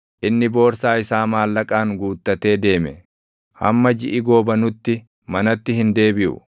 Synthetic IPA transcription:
ʔɪnːɪbo̞ːɾsaːɪsaːmaːlːɐkʼaːŋɡuːt̪ːɐt̪e̞ːd̪e̞ːmɛ | hɐ̰mːɐd͡ʒɪʔɪɡo̞ːbɐnʊt̪ːɪ | mɐnɐt̪ːɪhɪnd̪e̞ːbɪʔʊ̰

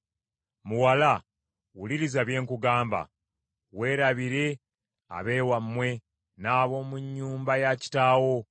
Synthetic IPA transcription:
muwala | wuliɾizaβje̞ːŋkuɡaːmba̰ | we̞ːɾaβiɾe̞ | a̰βe̞ːwamːwe̞ | naːβo̞ːmuɲːuːmbajaci̥taːwo̞

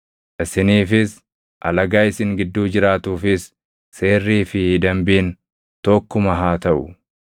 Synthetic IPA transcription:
ʔɪsɪniːfɪs | ʔɐ̰lɐɡaːjɪsɪŋɡɪd̪ːuːd͡ʒɪɾaːt̪uːfɪsː | e̞ːrːiːfɪd̪ɐmbiːn | t̪ɔkːʊmɐɦaːt̪ɐʔʊ̰

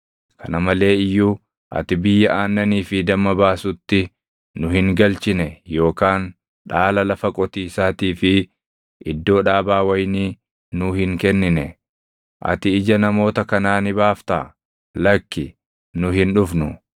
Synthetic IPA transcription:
kʰɐnɐmɐle̞ːɪjːuː | ʔɐ̰t̪ɪbɪjːɐʔaːnːɐniːfɪd̪ɐmːɐbaːsʊt̪ːɪ | nʊhɪŋɡɐlt͡ʃɪnɛjo̞ːkaːn | ᶑaːlɐlɐfɐkʼɔt̪iːsaːt̪iːfɪ | ʔɪd̪ːo̞ːᶑaːbaːwɐjniː | nʊhɪŋkɛnːɪnɛ | ʔɐ̰t̪ɪɪd͡ʒɐnɐmo̞ːt̪ɐkɐnaːnɪbaːft̪aː | lɐkːɪ | nʊhɪnᶑʊfnʊ

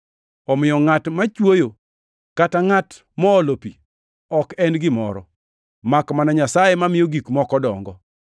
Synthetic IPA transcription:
ɔmɪjɔŋatmat͡ʃwojo | kataŋat | mɔːlopḭ | ɔkɛnɡɪmɔ̰ɾɔ̰ | makmanaɲasajemamɪjoɡikmɔkɔdɔŋɡɔ

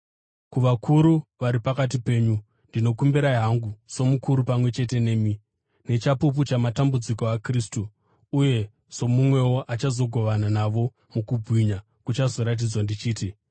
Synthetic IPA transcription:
kuʋakʰuɾuʋaɾipakat̬ipe̞ːɲu | ndino̞kumbiɾaiɦaŋɡuso̞mukuɾupamwe̞t͡ʃe̞te̞ne̞ːmi | ne̞t͡ʃapup̬ut͡ʃamatambud͡ziko̞akristuː | je̞ | z̥o̞mumwe̞woʔat͡ʃazo̞ɡʱo̞ʋananaʋo̞ | mukubʱwiɲa | kut͡ʃazo̞ɾat̬id͡zwandit͡ʃiːti

